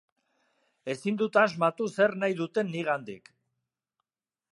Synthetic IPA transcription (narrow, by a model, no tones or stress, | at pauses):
e̞sind̪ut̪azmat̪use̞rnajðut̪e̞nːiɣand̪ḭk